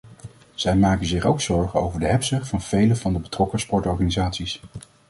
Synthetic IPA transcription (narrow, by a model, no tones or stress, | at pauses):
z̥ɛjmaːkənzɪχowksɔɹχəo̰wvəɹdəɦɛpsəχtfɑnv̥ejləvɑndəbətrɔkəspɔɹtɔɹχaːnizaːtsis